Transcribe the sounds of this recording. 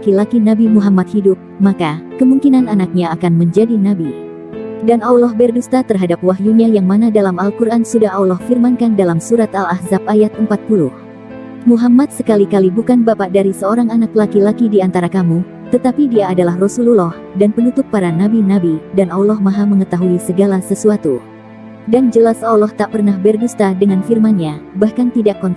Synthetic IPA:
lakilakinabimuɦamat̪̚hidʊp̚makakəmuŋkinananak̚ɲaːkanməɲd͡ʒadinabi | danawlɔhbɛrdust̪at̪ərɦadap̚waɦjuɲajaŋmanadalamalkurʔansudaɦawlɔhfirmankandalamsuɾat̪alahzap̚ajat̪̚əmpat̪̚puluh | muɦamat̪̚səkalikalibukanbapaʔdaɾisəoɾaŋanaklakilakidiant̪aɾakamu | t̪ət̪apidiaːdalahrɔsululɔh | danpənut̪ʊk̚paɾanabinabidanawlɔhmaɦaməŋət̪aɦuisəɡalasəsuat̪u | dand͡ʒəlasawlɔht̪aʔpərnahbɛrdust̪adəŋanfirmanɲabahkant̪idakːɔnt̪

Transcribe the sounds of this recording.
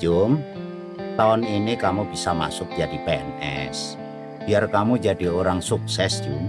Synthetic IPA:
d͡ʒʊm | t̪aɔninikamub̥isama̰sʊk̚d̥d͡ʒ̥ad̪̥ipeɛnɛ̰s | b̥iarkamud͡ʒa̤d̥ioɾaŋsuk̚sɛsd̥d͡ʒ̥um

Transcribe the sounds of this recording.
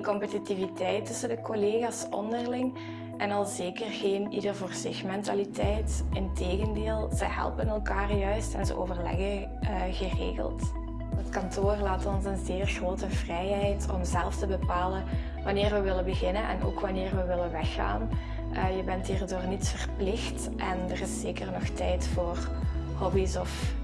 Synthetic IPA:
nkɔmpətitivitɛjtɵsəndəkoleːɣaːsɔ̰ndərlɪŋ | ʔɛnɑlˠzeːkərɣeːnidərvoːrzɪxmɛntalitɛjtɪnteːɣəndeːlˠzə̰jɦɛ̰lˠpənɛlˠkaːrjœɥstɛ̰nzə̰ʔo̰ːvərlɛ̰ɣə | ɣərḛːɣə̰lˠt | ətkɑntʰoːrlaːtɔnsənzeːrɣroːtəvrɛjɦɛjtɔmzɛlˠftəbəpaːlə | ʋɑnɪːrʋəʋɪləbəɣɪnənʔɛ̰nʔo̰ːkʋɑnɪːrʋəʋɪləʋɛxːa̰ːn | ʔəjəbɛntɦiːrdoːrnitsfərplɪxt | ʔɛndərɪsːeːkərnɔxtɛjtfoːr | hɔbisɔf

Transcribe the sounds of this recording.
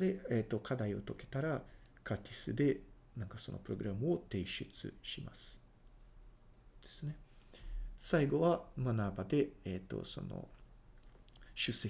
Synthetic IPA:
d̪eet̪ːo̞kʰad̪aio̞t̪o̞ke̞̥t̪aɾa | kʰat̪ʰʲisɨd̪e̞ | nãŋkaso̞no̞̰pɯɾo̞ɡɯ̟ɾamɯ̟o̞t̪e̞ːɕɨt͡sɨ̰ɕima̰sɨ̥ | d̪̥e̞sɨne̞ | saiɡo̞βamanaːbad̪e̞eːt̪ːo̞̰so̞̰no̰ | ɕɨse

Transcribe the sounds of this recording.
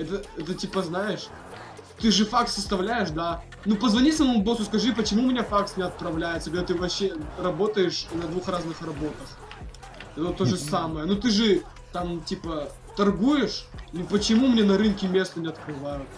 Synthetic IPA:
ɛt̪əɛt̪ətʲipəznajɪʂ | t̪ɨʐɨfaksːəst̪ɐvlʲæjɪʂd̪a | nupəzvɐnʲisɐməmʊbosʊskɐʐɨp̬ət͡ɕɪmumʲɪnʲafaksnʲɪɐt̪̚pɾɐvlʲæjɪt̪səkɡɾʲat̪ɨvɐɕːerɐbo̞t̪əjɪʂnɐd̪vuxraznɨxrɐbo̞t̪əx | ɛt̪ət̪oʐɨsaməjənut̪ɨʐɨ | t̪amtʲipə | t̪ɐrɡujɪʂnʲɪpət͡ɕɪmumnʲenɐɾɨnkʲɪmʲe̞st̪ənʲɪɐt̪kɾɨvajʊt̪̚

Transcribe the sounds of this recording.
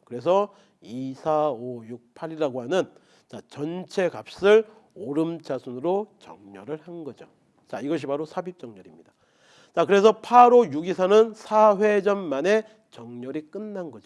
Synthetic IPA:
kɯɾe̞s̬ʰʌ | isʰaojuk̚pʰaɾiɾaɡoɦanɯn | t͡ɕat͡ɕʌnt͡ɕʰe̞ɡap̚s͈ɯɾ | oɾɯmt͡ɕʰasʰunɯɾot͡ɕʌ̰ŋɲʌɾɯɭhanɡʌd͡ʑo | t͡ɕaiɡʌɕ̬ʰibaɾosʰabip̚t͡ɕ͈ʌŋɲʌɾimɲida | t͡ɕakɯɾe̞sʰʌpʰaɾojuɡisʰanɯnsʰaɸwed͡ʑʌnmane̞ | t͡ɕʌŋɲʌɾik͈ɯnːanɡʌd͡ʑo

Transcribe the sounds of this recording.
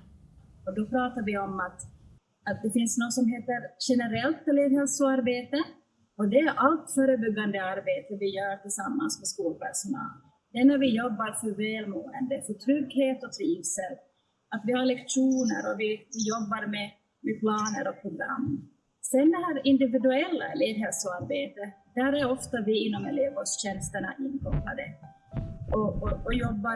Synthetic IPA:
ɔd̪ɔpʰɾɑːt̪aɾvɪɔmat̪ | at̪̚d̪ɛfɪnsnɔsɔmɦeːt̪əɾɕɛnəɾɛlt̪ːɛleːvhɛlsɔaɾbeːt̪ə | ɔd̪ɛæɾʔalt̪fœːɾəbʏɡːand̪əaɾbeːt̪əvɪjœːʈɪlsamːansmɛskuːlpʰæʂʊnɑ̰ːl | d̪ɛnːæɾvɪjɔbːaɾfœɾvɛːlmoːɛnd̪əfœʈʰɾʏɡheːt̪ɔt̪ʰɾiːvsɛt̪ | at̪vɪhaɾɭɛkʂuːnəɾɔvɪvɪjɔbːaɾmɛ | mɛpʰlɑːnəɾɔpʰɾʊɡɾa̰mː | sɛnd̪ɛɦæːɾɪnd̪ɪvɪd̪ʉɛlːa̰leːvɦɛlsɔaɾbeːt̪ə | d̪̥æɾæɾɔft̪avɪɪnːɔmɛleːvəsɕɛnst̪əɳa̰ʔɪnkʰɔp̪ːa̰d̪ə | ɔɔjɔbːa

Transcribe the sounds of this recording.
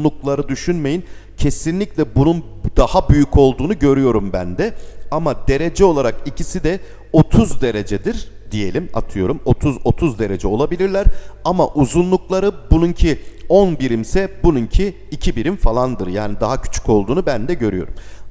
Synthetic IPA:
uklˠaɾɯd̪yʃynme̞jin | cʰe̞sinlʲiclʲɛbunund̪ahabyjyco̞lˠd̪uːnuɟø̞ɾyjo̞ɾumbænd̪ɛamad̪e̞ɾe̞d͡ʒɛo̞lˠaɾakicʰisid̪ɛ | o̞t̪ʰuzd̪e̞ɾe̞d͡ʒɛd̪iɾd̪̥ije̞lʲima̰t̪ʰɯjo̞ɾumo̞t̪ʰuzo̞t̪ʰuzd̪e̞ɾe̞d͡ʒɛo̞lˠabilʲiɾlʲæɾamaʔuzunlˠuklˠaɾɯbununcʰiɔnbiɾimsɛbununcʰiː | cʰibiɾimfalˠand̪ɯɾjaːnid̪aɦacʰy̥t͡ʃʰy̥co̞lˠd̪uːnubænd̪ɛɟø̞ɾyjo̞̰ɾum

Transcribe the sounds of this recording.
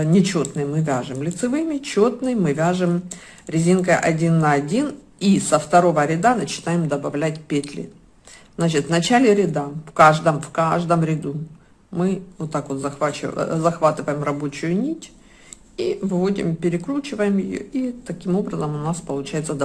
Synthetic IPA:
nʲɪt͡ɕo̞t̪nɨjmɨvʲaʐɨmlʲɪt̪sɨvɨmʲɪt͡ɕo̞t̪nɨjmɨvʲaʐɨm | ɾʲɪzʲinkəjʔɐdʲinːɐɐdʲin | isəft̪ɐɾo̞vəɾʲɪd̪anət͡ɕɪ̥najɪmd̪ɐbɐvlʲætʲpʲet̪ʲlʲɪ̰ | znat͡ɕɪt̪vnɐt͡ɕælʲɪɾʲɪd̪afkaʐd̪əmfkaʐd̪əmɾʲɪd̪u | mɨvot̪ːakvot̪zɐaɪzɐxvat̪ɨvəjɪmrɐbo̞t͡ɕʊjʊnʲitʲ | ivɨvo̞dʲɪ̰mpʲɪɾʲɪkɾut͡ɕɪvəjɪmjɪjo̰it̪ɐkʲimo̞bɾəzəmʊnaspəlˠʊt͡ɕæjɪt̪səd̪

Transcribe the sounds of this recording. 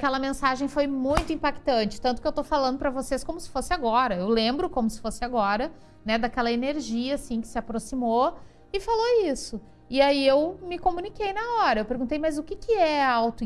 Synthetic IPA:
kɛlɐmẽsaʒẽj̃fojmũj̃t̪ʊĩmpakt̪ɐ̃t͡ʃɪ̥t̪ɐ̃nt̪ʊ̥kewt̪ofalɐ̃nd̪ʊpɾɐvoseskõmʊsɪ̥fosɪaɡɔɾɐewlẽmbɾʊkõmʊsɪ̥fosɪaɡɔɾɐ | nɛd̪akɛlɐeneɾʒiɐsĩkɪ̥sɪapɾosimo | ɪfaloisʊ | ɪaiewmɪkomunikejnɐɔɾɐewpeɾɡũt̪ejmɐzʊkɪkɪɛawt̪ʊ

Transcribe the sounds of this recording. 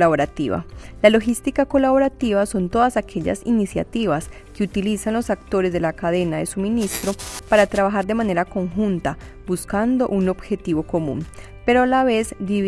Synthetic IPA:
laβoɾat̪ḭβa̰lalo̞xist̪ikako̞laβo̞ɾat̪iβaso̞nt̪o̞ðasakʰe̞ʝa̰sinisja̰t̪iβas | keut̪ilisanlo̞sakt̪o̞ɾe̞zd̪e̞lakaðe̞naðe̞suminist̪ɾo̞paɾat̪ɾaβaxaɾd̪e̞mane̞ɾako̞ŋxunt̪a | buskand̪o̞ʔuno̞bxe̞t̪iβo̞ko̞mṵ̃n | pe̞ɾoalaβe̞zbiβ

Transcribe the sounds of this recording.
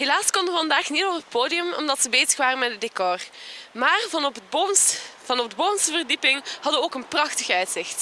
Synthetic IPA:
ɦelaːskɔndəʋəvɑndaːxnitɔpɦət̚pʰoːdiəmɔ̰mdɑtsəbeːzəxʋaːrənmɛdədekɔrmaːrvpbovɑnɔfdboːvənsəvərdipɪŋhɑdəəoːkənprɑxtəxəœɥtsɪxt

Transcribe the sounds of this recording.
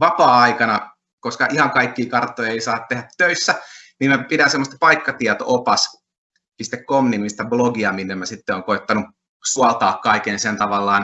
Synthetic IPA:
ʋɑpɑːɑikɑnɑ | koskɑʔihɑŋkɑikːiːkɑrt̪ːˑojeisɑːt̪t̪ehæt̪ːøisːæniːmæpidænsemːost̪pɑikːɑt̪iɛt̪o̰ʔopɑs | pist̪ekkomːimmist̪æbloɡiɑminːemmæsit̪ːeoːŋkoet̪ːɑnu | suɑlt̪ɑːkkɑikensent̪ɑʋɑlːɑːn

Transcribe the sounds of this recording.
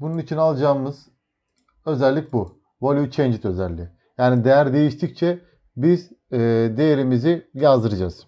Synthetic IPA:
bununit͡ʃʰinalˠad͡ʒaːmɯz̥ | ø̞zɛlʲːic̚ʲbu | volʲˠjut͡ʃʰɛnd͡ʒit̪ø̞zɛlʲːi | jaːnid̪ejæɾd̪e̞jiʃt̪ʰic̚t͡ʃʰɛ | bizːd̪e̞jeɾimizijazd̪ɯɾɯd͡ʒaz̥

